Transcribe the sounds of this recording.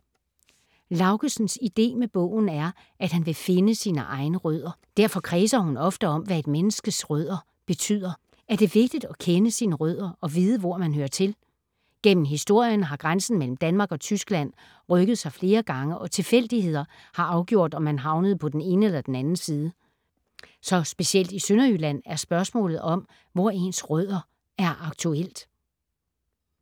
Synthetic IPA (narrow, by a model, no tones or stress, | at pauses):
lɑ̈ʊɡ̥əsn̩sid̥e̝̰ːmeb̥ɔ̰̽ʊ̰n̩æɐ | ʔæd̥hænʋe̝fe̝nəsiːnəʔɑ̈ɪnəʁœð̰ˠɐd̥æɐ̰fɒ̽kʰʁɛːsɐhunɒ̽fd̥əɒ̽mʋæe̝d̥menəsɡ̥əsʁœð̞̰ˠɐ | b̥e̝t͡sʰy̰ð̰ˠɐ | ʔæɐd̥e̝ʋe̝ɡ̥̚d̥id̥ɒ̽kʰenəsiːnəʁœð̰ˠɐʔɒ̽ʋiːð̞ˠəʋɒɐmænɦøːɐt͡sʰe̝l | ɡ̥en̰m̩ɦisd̥o̝ɐ̰jənɦɑ̈ɡ̥ʁansn̩mel̰m̩d̥ænmɑ̈ːɡ̥ɒ̽t͡sʰysɡ̥læn̰ | ʁœɡ̥əð̩ˠsɑ̈ɪfle̝ːɐɡ̥ɑ̈ŋəʔɒ̽t͡sʰe̝fel̰d̥ihe̝ð̞̰ˠɐ | hɑ̈ʔɑ̈ʊɡ̥jo̝ɐ̰d̥ɒ̽mːænɦɑ̈ʊnəð̞̩ˠpʰɒ̽d̥ene̝ːnəelɐd̥enænn̩siːð̞ˠə | sɒ̽sb̥e̝ɕiel̰d̥isønɐylæn̰æɐsb̥ɶɐsmɔ̰̽ːlð̩ˠɒ̽m | ʋɒe̝nsʁœð̰ˠɐ | æɐʔɑ̈ɡ̥̚t͡sʰuel̰d̥